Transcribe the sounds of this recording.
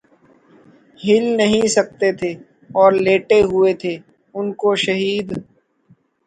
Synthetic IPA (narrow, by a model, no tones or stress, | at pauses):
ɦɪlnɐɦĩsɐk̚t̪et̪ʰeː | ɔːɾleːʈeɦʊet̪ʰeː | ʊnkoʃɐɦiːd̪